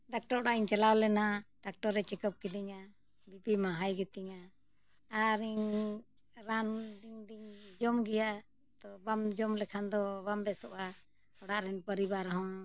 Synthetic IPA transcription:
ɖak̚ʈɔɾɽaiɲt͡ʃɛlawlɛnaɖak̚ʈɔɾɾɛt͡ʃɛkəp̚kid̪iɲa | bipimaɦajɡɛt̪iɲa | aɾiɲ | ɾand̪iŋd̪iɲd͡ʒɔmɡɛja | t̪ɔbamd͡ʒɔmlɛkʰand̪ɔbambɛsɔʔa | ɔɽaʔɾɛnpəɾibaɾɦɔ̃

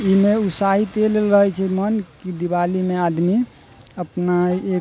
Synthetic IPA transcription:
imeusaɦit̪elelɾəɦɛt͡ʃʰɛmənkid̪iβalimead̪mi | əpnae

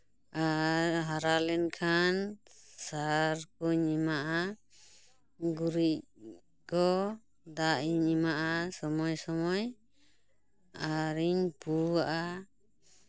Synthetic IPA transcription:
aɾɦaɾalɛnkʰansaɾkuɲimaʔa | ɡuɾic̚ | kɔ | d̪aʔiɲimaʔasɔmɔjsɔmɔj | aɾiɲpuaʔa

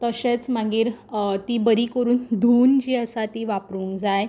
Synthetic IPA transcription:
t̪əɕet͡sm̤aɡiːɾt̪iːbəɾiːkəɾuːnd̪ʱuːnd͡ʑiːəsat̪iːʋapɾũŋkd͡zaj

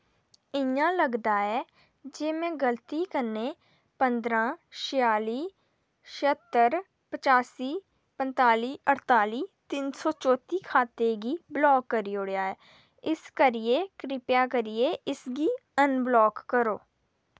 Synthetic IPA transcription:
ɪjãləɡd̪aɦɛː | d͡ʒeːmẽɡəlt̪ikəne | pə̃nd̪ɾãːʃɪjaːliː | ʃət̪ːəɾ | pət͡ʃaːsiː | pə̃nt̪aːliːəɾt̪aːliːt̪iːnsɔːt͡ʃɔːt̪ikʰaːt̪eɡiblɔːkːəɾioːɽjaɛː | ɪskəɾiekɾɪpjakəɾieʔɪsɡiənblɔːkːəɾoː

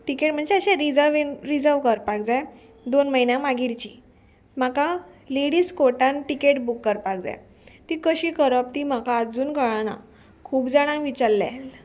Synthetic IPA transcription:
ʈikeʈm̤əɳd͡zeəɕɛ̃ɾid͡zəʋinɾid͡zəʋkəɾpak̚d͡zaj | d̪onməɦinjamaɡiɾt͡ɕiː | m̤akaleɽiːskoʈãnʈikeʈbukːəɾpak̚d͡za̰j | t̪ikəɕiːkəɾəp̚t̪iːm̤akaːd͡zuːnkəɭana̰ | kʰuːpd͡zaɽ̃ãʋit͡ɕaɾla̰l

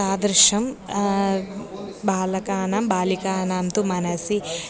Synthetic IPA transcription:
aːd̪ɾʂɐm | baːlɐkaːnaːmbaːlikaːnaːmt̪umɐnɐsi

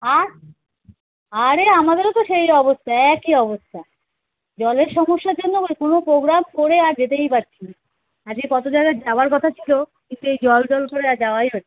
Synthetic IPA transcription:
aɾ | aɾeamad̪eɾot̪oʃejɔbost̪ʰaɛkiɔbost̪ʰa | d͡ʑɔleɾʃɔmoʃːaɾd͡ʑonːoekonopɾoɡɾamkoɾeaɾd͡ʑet̪ejpaɾt͡ɕʰini | ad͡ʑkepɔt̪od͡ʑajɡad͡ʑaoaɾkɔt̪ʰat͡ɕʰilokint̪uejd͡ʑɔlɖɔlkoɾeaɾd͡ʑaoajɦotʰe̥

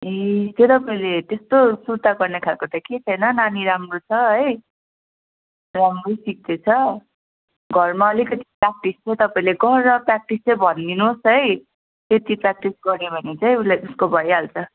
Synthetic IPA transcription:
et̪jot̪ʌpaĩlet̪est̪osuɾt̪aɡʌrnekʰalkot̪aket͡sʰʌjnʌnaniɾamrot͡sʰʌʌj | ramrojsik̚d̪et͡sʰʌ | ɡʱʌrmaʌlikʌt̪i̥prak̚ʈist͡sʰʌjt̪ʌpaĩleɡʌːʌprak̚ʈist͡sʌjbʱʌnːinosɦʌj | t̪et̪iprak̚ʈisɡʌɾebʱʌnet͡saĩulajʔuskobʱʌjalt͡sʰʌ

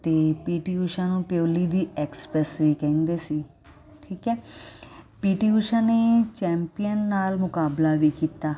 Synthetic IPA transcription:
t̪eːpiːʈiːuʃãːnũːpjoːliːd̪iːɛːkspɾɛsʋiːkə̃nd̪eːsiː | ʈʰiːkɦɛː | piːʈiːuʃãːneːt͡ʃɛ̃ːmpijənːaːlmʊkaːblaːʋiːkiːt̪aː

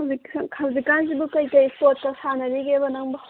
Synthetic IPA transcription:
zikʰawzikanzibukɐjkɐjspot̚kɐsanɐɾiɡebɐnɐŋbɐ

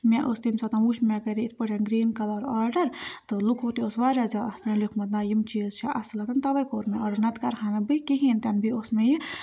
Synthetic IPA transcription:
mʲaʔost̪imsɐt̪ɐnʋuʃmʲakɐɾiit̪ʰpɨʈʰʲɐnɡɾiːnkɐlɐɾaːɾɖɐɾt̪ɨlukʰot̪iosʋaːɾʲazaɐpnɐlikʰmɐt̪naːjimt͡ʃiːzt͡ʃʰiʔɐslɐt̪ɐnt̪ɐʋɐjkoːɾmeɐːɖɐɾnɐt̪kɐɾkʰaːnɐbɨkiɦiːnt̪ʲanbʱioːsmeji

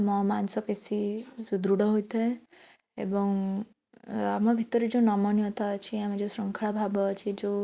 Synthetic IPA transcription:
mɔmansɔpesisud̪ɾuɽɔɦojt̪ʰae | ḛbɔŋ | amɔbʱit̪ɔɾed͡ʒẽnɔmɔnijɔt̪aːt͡ʃʰiamed͡ʒõsɾɔŋkʰaɭabʱabɔːt͡ʃʰid͡ʒo

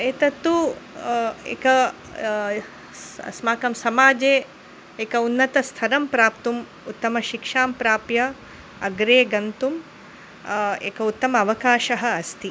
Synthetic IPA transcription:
eːt̪ɐt̪ːu | ḛːkɐ | smaːkɐmsɐmaːd͡ʒeː | eːkɐunːɐt̪ɐst̪ʰɐɾɐmpɾaːpt̪um | ut̪ːɐmɐʃikʂaːmpɾaːpjɐ | ɐɡɾeːɡɐnt̪um | ḛːkɐut̪ːɐmɐːʋɐkaːʃɐɦɐ̆ɐst̪i

